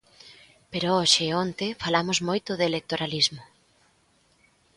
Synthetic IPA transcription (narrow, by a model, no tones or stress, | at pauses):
peɾooʃɪont̪efalamʊzmojt̪ʊðelek̚t̪oɾalizmʊ